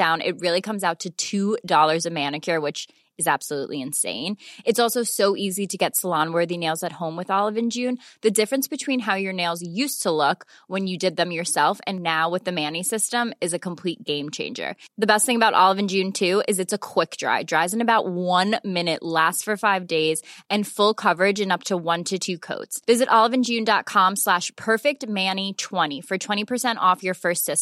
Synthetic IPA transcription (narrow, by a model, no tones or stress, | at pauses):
d̥ãʊ̃nʔɪ̰t̚ɹɪlˠikʰʌ̃mzaʊtʰɨtʰʉdɔlˠə˞zɨmæ̃nɨkʰə˞wɨt͡ʃ | ɨzæb̥səlṵʔliɨ̃nsḛ̃ɪ̃nɨtsɔlˠsoʊsoʊʔiziɾɨɡɛtsəlɑ̃nwɜ˞ðineɪlˠzɨt̚hõʊ̃mwɨðɑlˠəvɨ̃nd͡ʒʉ̃nðɨdɪfɹɨ̃nsb̥ɨtʰw̥ĩnɦaʊjə˞neɪlˠzjʉstʰəlʊkwə̃njɨdɨd̪̚ðɨ̃mjə˞sɛlˠfɨ̰̃nːaʊwɨðɨmæ̃nisɪstə̃mɨzɨkʰə̃m̩pʰl̥it̚ɡ̥ẽɪ̃mt͡ʃʰḛ̃ɪ̃nd͡ʒə̰˞ðɨbɛst̪̚θɪ̃ŋəbaʊɾʔɑ̰lˠəvɨ̃n̩d͡ʒʉ̃ntʰʉɪzɨtsɨkʰw̥ɪk̚d̥ɹa̰ɪdɹaɪzɨ̃nɨbaʊʔ̚wʌ̃nmɪ̃nɨʔlæstfə˞faɪvdeɪzɨ̃nfʊlˠkʰʌvə˞ɪd͡ʒɨ̃nʌp̚tʰəwʌ̃ntʰɨtʰʉkʰo̰ʊtsvɪzɨɾʔɑlˠəvɨ̃nd͡ʒʉ̃ndɑt̚kʰɑ̃mslæʃpʰɜ˞fɪk̚t̚mæ̃nitʰw̥ɛ̃ɾ̃ifə˞tʰw̥ɛ̃ɾ̃ipʰə˞sɛ̃ñtɔfjə˞fɜ˞stsɪs